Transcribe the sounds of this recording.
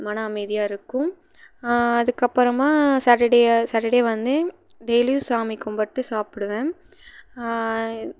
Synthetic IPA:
mɐnaːɐmeːðɪjaːɪɾɯkːʊ̃ | ɐðɯkːɐpːɯɾɐmaːsɐʈɐɖesɐʈɐɽejʋɐnd̪ɯ | ɖɛjljuːsaːmikːɔmbɐʈːɯsaːpɪɽɯʋẽː

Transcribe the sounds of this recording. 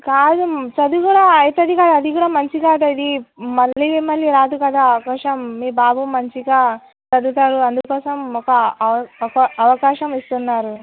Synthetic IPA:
kaːd̪ut͡ʃɐd̪ukuːɽaːjt̪ɐd̪ikaːd̪uɐd̪ikuːɽaːmɐɲt͡ʃikaːd̪uid̪imɐɭːimɐlːiɾaːd̪ukɐd̪aːɐʋɐkaːʂɐmːiːbaːbuːɐɲt͡ʃiɡaː | t͡ʃɐd̪ut̪aːɾuɐnd̪ukɔːsɐmɔkɐ | kɐɐʋɐkaːʃɐmist̪unːaːɾu

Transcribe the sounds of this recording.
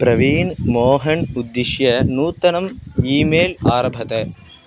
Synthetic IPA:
pɾɐʋiːnmoːɦɐɳud̪ːiʃjɐnuːt̪ːɐnɐmiːmeːlaːɾɐbʱɐt̪ɐ

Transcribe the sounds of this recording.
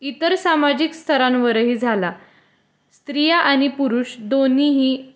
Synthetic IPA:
it̪əɾsamad͡ʑikst̪ʰəɾãnʋəɾɦiːd͡zʱala | st̪ɾijaʔañipuɾuːɕd̪oniɦiː

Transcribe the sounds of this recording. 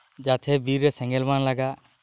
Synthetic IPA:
d͡ʒat̪ʰɛbiɾːɛsɛ̃ŋɡɛlmanlaɡa

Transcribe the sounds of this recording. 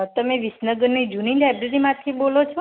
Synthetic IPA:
t̪əmeʋɪsnəɡəɾnid͡ʒunilajbɾəɾimãt̪ʰibolot͡ʃʰo

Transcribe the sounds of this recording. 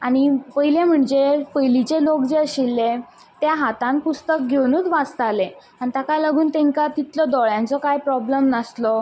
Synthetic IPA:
aɽ̃ipəɦilẽm̤əɳd͡zepəjlit͡ɕelokd͡zeəɕilːe | t̪jaɦat̪ãnpust̪ək̚ɡʱewnut̪ʋat͡st̪ale | anit̪akaləɡuːnt̪ẽŋkat̪it̪lɔd̪ɔɭjãnt͡sɔkajpɾɔbləmnəslɔ

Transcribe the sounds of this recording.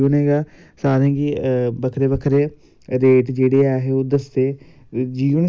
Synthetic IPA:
əneːɡaː | saːɾẽːɡibəkʰɾeːʋəkʰɾeː | ɾeːʈd͡ʒeːɽeaːɦeoːd̪əst̪eː | d͡ʒiːʋən

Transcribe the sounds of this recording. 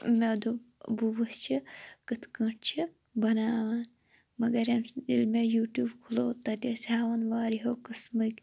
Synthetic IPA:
med̪ubuʋɨst͡ʃʰikɨt̪ʰkə̃ʈʰt͡ʃʰi | bɐnaːʋɐn | mɐɡɐɾɐnilmejuːʈjuːbkʰuloːt̪ɐd̪ʲɐsʲaːʋɐnʋaːɾiɦoːkɨsmɨkʲ

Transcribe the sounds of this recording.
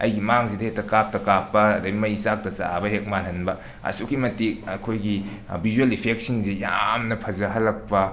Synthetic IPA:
ɐ̰jɡimaŋsidɐhek̚tɐkap̚tɐkapːɐɐdɐimɐjsak̚tɐsa̰a̰bɐɦek̚malɐnbɐ | ɐ̰sukːimɐtik̚ɐkʰojɡi | bʱizuelipʰek̚siŋzija̰mnɐpʰɐzɐɦɐlːɐk̚pɐ

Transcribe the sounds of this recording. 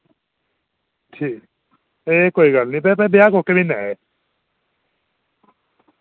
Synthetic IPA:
ʈʰiːk | eːkoːiɡəlnĩp̬ɛp̬ɛbjakoːkemĩnɛe

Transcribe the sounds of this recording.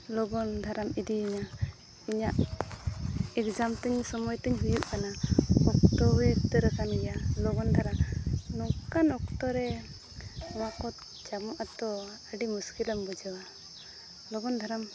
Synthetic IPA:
lɔɡɔnd̪ʱaɾamid̪iːɲa | iɲaʔ | ɛkd͡ʒamt̪ɛɲsɔmɔjt̪ɛɲɦujuʔkanaɔkt̪ɔwit̪ɾəkanɛjalɔɡɔnd̪ʱaɾanɔkanɔkt̪ɔɾɛ | ɔwakɔ | t͡ʃamɔʔat̪ɔəɖimuskiləmbɔd͡ʒawa | lɔɡɔnd̪ʱaɾam

